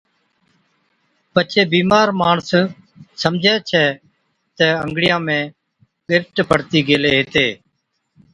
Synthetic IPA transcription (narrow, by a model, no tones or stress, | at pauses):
pət͡ʃʰeːbiːmaːɾmaːɳs | səmd͡ʒʱɛːt͡ʃʰɛː | t̪ɛːəŋɡɽɪjãːmẽː | pɪɾʈpʰəɽt̪iːɡeːleːɦeːt̪eː